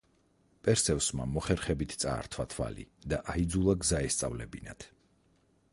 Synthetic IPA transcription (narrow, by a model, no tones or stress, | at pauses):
pʼɛɾsɛvsmamɔχɛɾχɛbit̪ʰt̪sʼa̰ːɾt̪ʰwat̪ʰva̰lḭd̪aʔaid̪zulˠaɡzaɛst̪sʼa̰vlɛbinat̪ʰ